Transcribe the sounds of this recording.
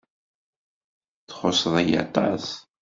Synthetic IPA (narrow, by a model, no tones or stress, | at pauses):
θχosəðˤæjɑ̰t̪ˤɑs